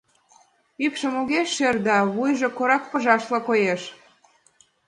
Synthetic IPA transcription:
ypʃĕmoɣeʃːerd̪ɑβujʒĕkoɾɑk̚pə̆ʒɑʃlɑkojeʃ

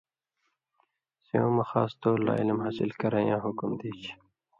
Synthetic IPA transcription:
siõːmɐxa̰ːst̪oːla̰ːilimɦaːsilkɐɾajãːɦukumd̪iːt͡ɕʰ

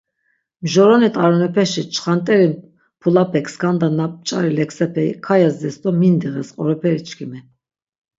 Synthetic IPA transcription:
mʒɔɾɔnit̪ʰʼaɾɔnɛpʰɛʃit͡ʃʰχant̪ʼɛɾin | pʰulapʰɛkʰskʰand̪anap̚ʼt͡ʃʼaɾilɛksɛpʰɛḭkʰajazd̪ɛsd̪ɔmind̪iʁɛsqʼɔɾɔpʰɛɾit͡ʃʰkʰimɛ

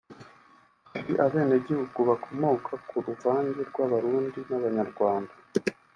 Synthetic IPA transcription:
iʔaβe̞ːne̞ɟihuɡuβakʰo̞moːkʰakʰuɾuvaːɲɡeɾɡwaβaɾuːndinaβaɲaɾɡwaːnda

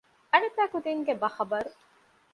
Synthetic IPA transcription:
ɐnet̪æːkud̪iŋɡebɐxɐbɐɾu

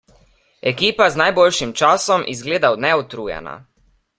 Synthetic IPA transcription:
ɛkiːpaznajbolʃimt͡ʃaːsɔmʔḭzɡleːd̪awnɛɔt̪ɾuːja̰na̰

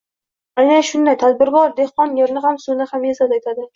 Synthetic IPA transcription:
ajnaʃʊnd̪ajt̪ʰad̪̚bɪɾɡɒɾd̪ehqɒnjeɾnɪɦamsunɪhamjesat̪ajt̪ʰad̪ɪ

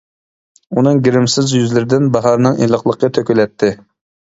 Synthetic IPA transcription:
unɨŋɡʲɪɾɪmsɪzjyzlɪɾɪd̪ɪnbɑɦɑɾnɨŋelˠəqlˠəqʰːət̪ʰøkʲylɛt̪ʰːɪ

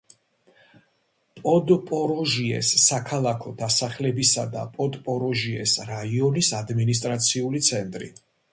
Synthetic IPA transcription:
pʼɔd̪pʼɔɾɔʒiɛ̰sːakʰalˠakʰɔd̪asaχlɛbisad̪a̰pʼɔd̪pʼɔɾɔʒiɛsɾaiɔnisad̪minis̬t̪ʼɾat̪sʰiulit̪sʰɛnt̪ʼɾḭ

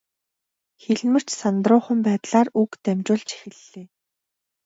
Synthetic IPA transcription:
xeɮmɘ̆r̥t͡ɕsant̪rʊːχə̆mpæːt̪ɮaːrukt̪æmt͡ɕʊːɮt͡ɕʰi̥xɘ̆ɮːeː

